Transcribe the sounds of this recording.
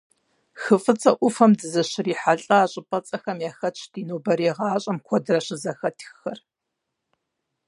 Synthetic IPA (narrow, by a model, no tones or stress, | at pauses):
xɨfʼɨt͡sʼɐʔʷʊfɐmdɨzɐɕɪriːħaɬʼɐaːɕʼɪpʼɐt͡sʼɐxɐmjaːxɐt͡ʃʰdiːnoːbɐɾeːʁɑːɕʼɐmkʷʰɔdɨrɐɕɪzɐxɐtʰxxɐr